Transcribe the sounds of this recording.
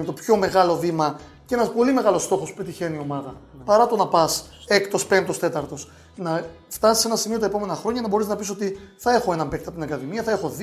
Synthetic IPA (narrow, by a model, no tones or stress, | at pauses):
met̪opço̞me̞ɣɐlo̞ðimɐ | ce̞nɐspo̞lime̞ɣɐlo̞st̪o̞xo̞supe̞t̪içe̞nio̞mɐðɐpɐɾɐt̪o̞nɐpɐsekt̪ospe̞nt̪o̞st̪e̞t̪ɐɾt̪o̞s | nɐ | ft̪ɐsi̥se̞nɐsimio̞t̪ɐepo̞me̞nɐxɾo̞ɲɐnɐbo̞ɾiznɐpisot̪iθɐe̞xo̞e̞nɐmpek̚t̪ɐt̪inɐkɐðimiɐθɐe̞xo̞ð